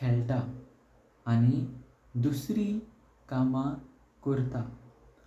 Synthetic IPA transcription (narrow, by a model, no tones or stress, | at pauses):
kʰɛlʈ̪aː | ñi | d̪usɾi | kamã | kuɾt̪a